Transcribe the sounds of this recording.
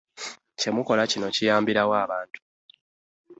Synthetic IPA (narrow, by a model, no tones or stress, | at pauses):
ce̞muko̞lacino̞cijaːmbiɾawaːβaːntu̥